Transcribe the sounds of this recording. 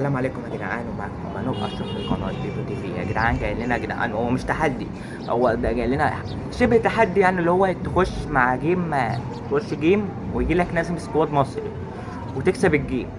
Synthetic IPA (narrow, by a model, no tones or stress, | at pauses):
ælːæːmʕaleːkomhæɡ̪en̰ʕa̰ːnwemæ̰ | mænoʔʔɑ̰ʃoxlelqɑnɑːt̪̚d̪ifot̪ibiːæ̰ɡed̪aʕaːnɡæjelːenæɡed̪a̰ʕa̰nhowːæmeʃt̪aħad̪ːi | owːæd̪æɡælːenæ̰ | ʃebhet̪aħad̪ːijaʕnilːihowːæt̪exoʃːmaʕɡiːm | t̪ʔoʃːɡiːm | wejeɡiːlæknæːzemeskowæːd̪mɑsˤɾi | wet̪eksæbeɡːiːm